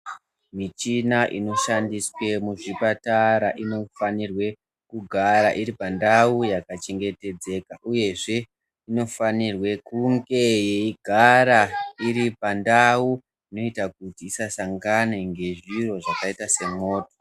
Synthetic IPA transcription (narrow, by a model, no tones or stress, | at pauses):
mit͡ʃinaʔino̞ʃandiswe̞muʐipataɾaʔino̞fanirwe̞ | kuɡʱaɾaʔiɾipandawujakat͡ʃe̞ŋɡe̞te̞d͡ze̞ːkaʔuje̞ʐe̞ | ino̞fanirwe̞kuŋɡe̞jeiɡʱaɾaiɾipandau | ino̞itak̚utiːsasaŋɡane̞ŋɡe̞ʐiro̞ʐakaitase̞mo̞ːto̥